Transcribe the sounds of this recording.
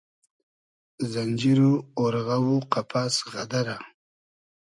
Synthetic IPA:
zand͡ʒiɾuoɾɣawuqapʰasɣad̪aɾa

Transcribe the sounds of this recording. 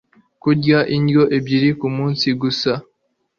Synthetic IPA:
kuɟaʔindjo̞ʔebjiɾikumuːnsiɡusa

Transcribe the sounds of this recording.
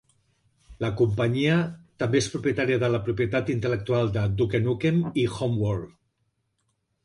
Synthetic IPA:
ləkumpəɲiət̪əmbeespɾupjət̪aɾiəðələpɾupiət̪at̪int̪ələk̚t̪ualˠd̪əd̪ukenukemixomwoɾ

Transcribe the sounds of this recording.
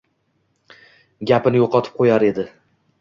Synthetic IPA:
ɡʲapɪnɪjoqʰɒt̪ʰɪ̥p̚qʰojaɾe̞d̪ɪ

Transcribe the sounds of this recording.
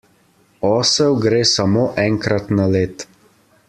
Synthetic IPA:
ɔːsɛwɡɾeːsamoːʔɛŋkɾat̪naleːt̪

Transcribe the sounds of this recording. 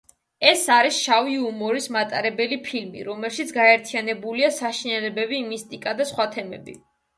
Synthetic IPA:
ɛsaɾisʃaviumɔɾismat̪ʼaɾɛbɛlipʰilmḭɾɔmɛlˠʃit̪sʰɡaɛɾt̪ʰianɛbuliasaʃinɛlɛbɛbiːmist̪ʼikʼad̪asχwat̪ʰɛmɛ̰bḭ

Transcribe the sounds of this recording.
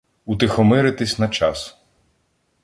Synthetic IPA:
ut̪ɪxɔmɪɾɪt̪ɪsʲnɐt͡ʃɑs

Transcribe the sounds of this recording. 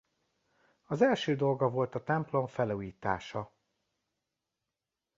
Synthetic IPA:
ɒzɛlʃøːd̪o̞lɡɒvo̞lt̪ɒt̪ɛmplo̞ɱfɛluːjiːt̪a̰ːʃɒ

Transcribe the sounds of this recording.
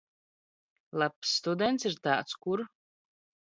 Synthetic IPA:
lˠapsːt̪ud̪ɛnt̪siɾt̪aːt̪skuɾ

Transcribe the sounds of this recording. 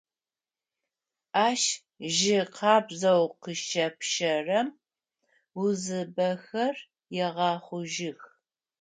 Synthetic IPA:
aːʃ | ʒɪqʰɑːbzɐwqəʃɐpʃɐrɐm | wʊzɨbɐxɐr | jɛʁɑːχʷʊʒɪx

